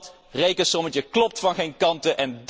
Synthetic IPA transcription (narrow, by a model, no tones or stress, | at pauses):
t | rejkənsɔmətəklɔp̚tfɑnχejnkɑntəʔɛnd